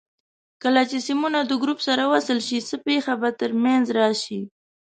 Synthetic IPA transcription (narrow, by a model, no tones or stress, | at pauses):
kəlat͡ʃesimunad̪əɡɾupsaɾawasəlʃisəpexabat̪əɾmanzɾɑʃi